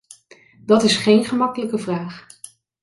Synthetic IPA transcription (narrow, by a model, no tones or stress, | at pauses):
dɑtɪsχejnχəmɑkələkəvraːχ